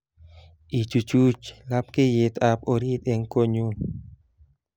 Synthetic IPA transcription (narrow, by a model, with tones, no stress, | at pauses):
ʔi˨t͡ʃu˨t͡ʃu˦t͡ʃla˦p̚ke˦je˨t̪a˨po˨ɾi˦t̪e˨ŋko˦ɲu˦